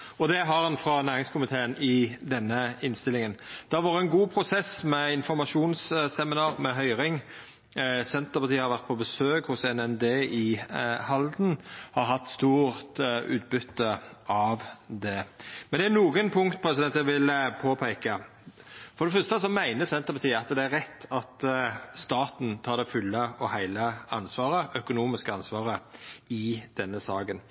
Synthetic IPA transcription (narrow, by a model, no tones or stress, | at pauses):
ɔd̪ɛɦɑɾhɑnfɾɑnæːɾɪŋskʰʊmɪt̪ʰeːənɪd̪ɛnːəɪnst̪ɪlɪŋənd̪̥ɛɑʋɑːɾəɛnɡuːpʰɾʊsɛsmɛɪnfɔɾmɑʂuːnssɛmɪnɑːʁmɛɦœʏɾɪŋ | sɛnt̪əpɑʁt̪iːhɑɾʋæʁt̪̚pʰɔbəsøːkhʊsɛnɛnd̪eːɪhɑld̪nhɑɾɦɑt̪ːst̪uːʁt̪ʉ̰ːt̪̚bʏt̪ːəɑʋd̪ɛmmɛnd̪ɛæɾnuːɡənpʰʊŋkt̪̚pʰɾɛs̬ɪd̪ɛnt̪jæʋɪlpʰoːpʰæɪkɑ | fɔɾd̪ɛfœst̪əs̬ɔmæɪnəsɛnt̪əɾpɑɾt̪ʰiːəɑt̪d̪ɛæɾːɛt̪ːɑt̪st̪ɑːt̪n̩t̪ʰɑːɾd̪ɛfʉlːəɔhæɪləɑnsʋɑːɾəʔœkʊnuːmɪskəɑnsʋɑːɾəɪd̪̥ɛnːəsɑːɡən